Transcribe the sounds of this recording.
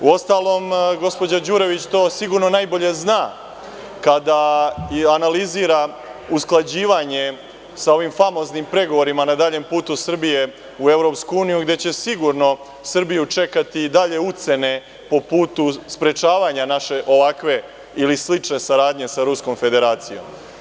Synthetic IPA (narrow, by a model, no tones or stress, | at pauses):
uo̞st̪aːlo̞ːmɡo̞spo̞d͡ʑad͡ʑuɾe̞ʋit͡ɕt̪o̞ːsiɡuɾno̞najbo̞ʎe̞znaː | kad̪a | analiziːɾa | usklˠad͡ʑiːʋaɲe̞ | sao̞ʋimfamo̞ːznimpɾe̞ɡo̞ʋo̞ɾimanad̪aːʎe̞mpuːt̪usr̩bije̞ | ue̞vɾo̞pskuuːnijuɡd̪e̞t͡ɕe̞siɡuɾno̞ | sr̩bijut͡ʂe̞kat̪id̪aʎe̞ut̪se̞ne̞ | po̞puːt̪uspɾe̞t͡ʃaːʋaɲanaʃe̞ʔo̞ʋakʋe̞ | ilislit͡ʂne̞saɾaːd̪ɲe̞saɾusko̞mfe̞d̪e̞ɾaːt̪sijo̞̰m